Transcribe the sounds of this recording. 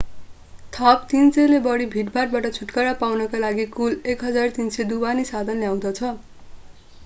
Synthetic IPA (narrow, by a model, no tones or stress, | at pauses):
t̪ʰʌp̚t̪int͡sʌjlebʌɽibʱiʈbaʈ̚baʈʌt͡sʰuʈkʌɾapawnʌkalaɡikulekɦʌd͡zart̪insed̪ubanisad̪ʱʌnljaw̃d̪ʌt͡sʰʌ